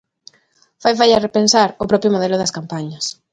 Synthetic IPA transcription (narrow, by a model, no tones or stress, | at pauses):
fajfajarepensaɾʊpɾɔpjʊmoðelʊðɐskampaɲɐs